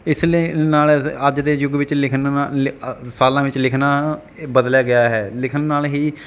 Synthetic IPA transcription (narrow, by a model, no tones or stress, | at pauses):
ɪslenaːləd͡ʒd̪eːjʊɡʋɪt͡ʃlɪkʰn | saːlãːʋɪt͡ʃlɪkʰnaː | bəd̪ljaːɡɪjaːɦɛːlɪkʰənːaːlɦiː